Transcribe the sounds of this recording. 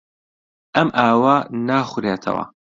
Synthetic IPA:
ʔɐmʔaːwanaːχʷʊɾeːt̪ʰɐ̰wɐ̰

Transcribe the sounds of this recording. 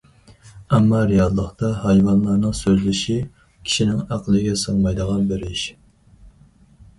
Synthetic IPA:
ɛmːɑɾijɑllˠəχt̪ɑhɑjvɑnlˠɑnɨŋsøzlɪʃi | kʲʰi̥ʃinɪŋæqəlˠɨɡʲɛsəŋmɑjd̪əʁɑnbeɾɪʃ

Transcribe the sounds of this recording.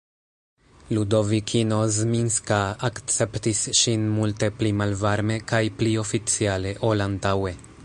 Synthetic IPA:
lud̪o̞vikʰino̞zminskaːkt͡sept̪isʃinmult̪e̞plimalvaɾme̞kajplio̞fit͡siale̞ʔolant̪awe̞

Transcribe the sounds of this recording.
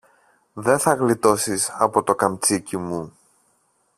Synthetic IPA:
ðe̞nθɐɣlit̪o̞sisɐpo̞t̪o̞kɐmt͡sicimu

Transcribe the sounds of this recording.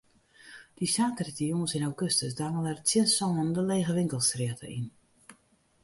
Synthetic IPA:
d̥isaːkərətijoŋənsɪnawɡøstəsdaŋəlɛrətt͡sjɪənsɔnəndəleːɣəʋɪŋkəlˠsrɪətʰə̰ʔin

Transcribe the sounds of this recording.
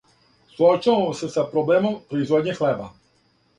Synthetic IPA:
sɔt͡ʃasɛsapɾoblɛmompɾoizvɔd̪ɲʲixlɛba

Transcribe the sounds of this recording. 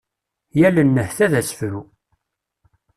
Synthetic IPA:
jælənːəhθæðæsə̥fɾu

